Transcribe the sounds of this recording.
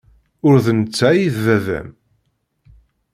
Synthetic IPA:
ʊɾðənət͡sːæjiðːævæ̰m

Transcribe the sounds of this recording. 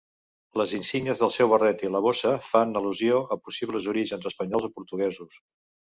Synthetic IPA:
ləzinsiɡnəzðəlˠsɛwβərɛt̪iləβosəfanəluzioəpusiβləzuɾiʒənzəspəɲɔlzipuɾt̪uɣɛzus

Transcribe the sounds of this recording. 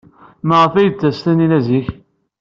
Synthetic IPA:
məʁəfæjət͡sːæstæninæziç

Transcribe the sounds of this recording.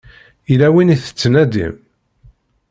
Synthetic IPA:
ilæwiniθə̥t͡sːnæd̪ḭm

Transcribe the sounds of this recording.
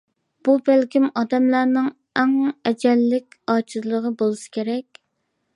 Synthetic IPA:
b̥ubælkʲimɑd̪ɛmlæɾnɪŋ | ɛŋɛd͡ʒɛlːɪkʲɑːt͡ʃʰɨzlˠəʁəbolˠɨsɨ̥kʲʰeɾɛkʲ

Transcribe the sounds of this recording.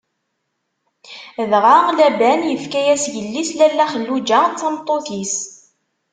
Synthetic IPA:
ðʁalæbænjəfkæjæsʝəlːislælːæχəlːud͡ʒæt͡sːɑmt̪ˤːoθis

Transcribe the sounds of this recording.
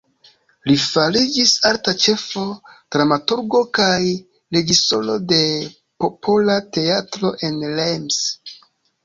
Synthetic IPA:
lifalid͡ʒisaltat͡ʃe̞fo̞d̥ɾamatuɾɡo̞kaj | ɾe̞d͡ʒisto̞̰lo̞de̞ | po̞pʰolate̞atɾo̞ʔe̞nlems

